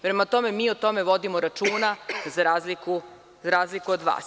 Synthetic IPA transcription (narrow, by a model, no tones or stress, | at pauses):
pɾe̞mat̪o̞memiːot̪o̞me̞ʋo̞d̪imoɾat͡ʃuːnazaɾaːzliku | zaɾaːzlikuod̪ʋa̰ːs